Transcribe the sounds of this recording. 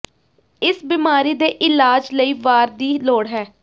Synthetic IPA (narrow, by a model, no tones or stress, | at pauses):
ɪsbiːmaːɾiːd̪eːʔɪlaːd͡ʒləiːʋaːɾd̪iːloːɽɦɛː